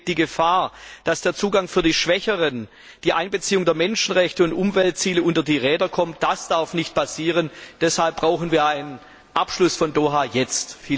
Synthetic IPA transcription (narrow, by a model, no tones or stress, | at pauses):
d̥iːɡəfaːɐd̥asd̥eːɐt͡suːɡaŋfyːɐdiːʃv̥ɛçəʁən | d̥iːʔaɪnbət͡siːʊŋdeːɐmɛnʃn̩ʁɛçtəʊntʔʊmvɛlt̚t͡siːləʔʊntɐdiːʁɛːdɐkʰɔmt̚d̥asd̥aɐfnɪçt̚pʰasiːʁənd̥ɛshalp̚b̥ʁaʊxn̩viːɐaɪnən | ʔapʃlʊsfɔndoːɦaːjɛt͡stfiː